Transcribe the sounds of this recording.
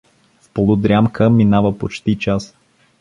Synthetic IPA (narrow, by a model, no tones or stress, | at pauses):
fpolˠʊd̪ɾʲjamkʰəminavəpot͡ʃt̪it͡ʃas